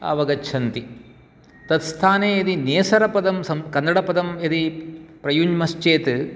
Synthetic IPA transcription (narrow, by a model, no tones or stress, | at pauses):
ɐ̰ʋɐɡɐt͡ʃʰɐnt̪i | t̪ɐt̪st̪ʰaːneːɐd̪ineːsɐɾɐpɐd̪ɐmsɐmkɐnːɐɽɐpɐd̪ɐmed̪ipɾɐjuɲmɐst͡ʃeːt̪ɨ